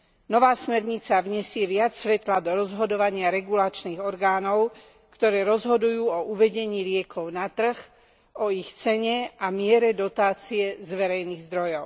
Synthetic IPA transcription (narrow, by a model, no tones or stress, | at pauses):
nɔʋaːsmɛɾɲit͡saʋɲɛsɪɛʋɪat͡ssʋɛt̪lad̪ɔɾɔzɦɔd̪ɔʋaɲɪaɾɛɡulat͡ʃniːɣɔɾɡaːnɔʊ | kt̪ɔɾɛːɾɔzɦɔd̪ujuːɔʔuʋɛɟɛɲiːlɪɛkʰɔʊnat̪r̩x | ɔixt͡sɛɲɛʔamɪɛɾɛd̪ɔt̪aːt͡siɛzʋɛɾɛjniːɣzd̪ɾɔjɔʊ